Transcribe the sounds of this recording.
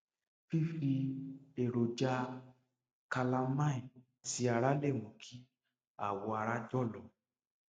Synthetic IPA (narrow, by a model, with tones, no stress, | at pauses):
fi˦fi˧e˨ɾo˨d͡ʒa˧ | ka˧la˧mã˦ĩ˨ | ti˧a˧ɾa˦le˦˨mũ˨kʰi˦ | a̰˦˨wɔ˧a˧ɾa˦d͡ʒɔ˦˨lɔ˨